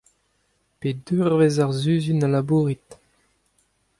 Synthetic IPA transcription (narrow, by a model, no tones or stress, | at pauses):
ped̪yʁvezaʁzyːzynalabuːʁit̪